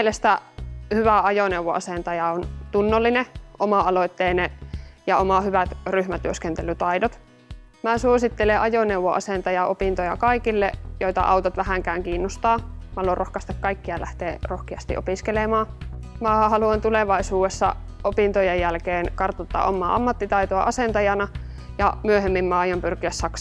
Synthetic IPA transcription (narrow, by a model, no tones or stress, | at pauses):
mielest̪æhyʋæɑjoneuʋːo̰ʔɑ̰sent̪ɑjɑont̪unːolːineʔomɑɑloit̪ːeːnejɑomɑhyʋæt̪ryhmæt̪yøskent̪elːyt̪ɑidot̪ | mæːsuosit̪ːeleʔɑjoneuʋːoʔɑ̰sent̪ɑjɑʔopint̪ojɑkɑikilːḛjoit̪ɑ̰ʔɑ̰ut̪ɑt̪ʋæhæŋkæːŋkiːnːost̪ɑːmhɑlorohkɑst̪ɑkkɑikːiɑlæ̰ht̪eːrohkiɑst̪ḭʔopiskelemɑː | mæːɑhɑluɑnt̪uleʋɑisuːesːɑ̰ | opint̪ojejjælkeːnkɑrt̪ot̪ːɑ̰ʔomːˑɑ̰ːɑmːɑt̪ːit̪ɑit̪oɑʔɑsent̪ɑjɑnɑ | jɑmyøhemːimmæːɑjompyrkiæssɑksɑ